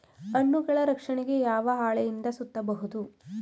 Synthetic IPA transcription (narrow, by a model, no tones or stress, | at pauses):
ɐɳːuɡɐɭɐɾɐkʂɐɳeɡe̞jaːʋɐɦaːɭɛjind̪ɐsut̪ːɐbɐɦud̪u